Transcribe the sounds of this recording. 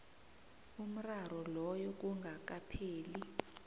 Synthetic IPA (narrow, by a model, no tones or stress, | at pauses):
um̩raɾɔlɔjɔk̬ʼuŋɡʱak̬ʼapʰeːli